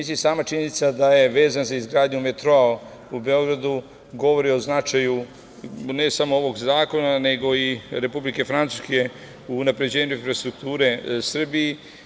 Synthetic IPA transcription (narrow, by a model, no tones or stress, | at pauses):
isijasaːmat͡ʃiɲenit̪sad̪aje̞ʋe̞ːzanzaizɡɾaːd̪ɲumet̪ɾoa | ube̞o̞ɡɾad̪u | ɡo̞ʋo̞ɾio̞znat͡ʃaju | ne̞samooʋo̞ɡzaːko̞nane̞ɡo̞iɾe̞publike̞fɾant̪u̥ske̞ | uːnapɾe̞d͡ʑe̞ːɲuinfɾast̪ɾuk̚t̪uːɾe̞sr̩bije